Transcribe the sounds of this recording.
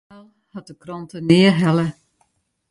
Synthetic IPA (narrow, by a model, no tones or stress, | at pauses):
ɛlˠ | hɔt̚əkrɔntənɪəɦɛlə